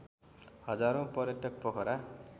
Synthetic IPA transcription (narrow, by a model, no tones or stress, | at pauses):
hʌd͡zaɾõpʌɾjʌʈʌk̚pʌkʰʌɾa